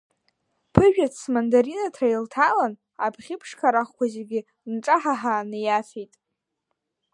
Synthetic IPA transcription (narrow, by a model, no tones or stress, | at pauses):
pʰɨʒᶣat͡smandaɾinatʰrailtʰalan | apʰχʲɪpʰʂkʰaɾaχkʷazeɡʲɪ | nʈ͡ʂʼaħaħaːnɨjafejtʼ